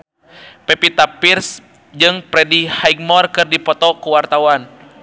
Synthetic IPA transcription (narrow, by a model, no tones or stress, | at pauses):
pɛpit̪apirs | d͡ʒɨŋpɾɛdihaik̚mɔrkɨrdipɔt̪ɔkuwart̪awan